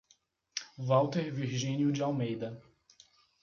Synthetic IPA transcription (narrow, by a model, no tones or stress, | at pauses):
vawt̪eɾviɾʒĩnjʊd͡ʒɪawmejd̪ɐ